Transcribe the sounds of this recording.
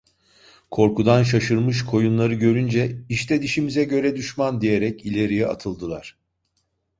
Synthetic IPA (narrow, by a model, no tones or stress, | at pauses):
kʰo̞ɾkud̪anʃ̬aʃɯɾmɯʃ̬kʰo̞junlˠaɾɯɟø̞ɾynd͡ʒɛiʃt̪ʰɛd̪iʃimizɛɟø̞ɾɛd̪yʃmand̪ijeɾɛcilʲe̞ɾijɛa̰t̪ʰɯlˠd̪ɯlˠaɾ̥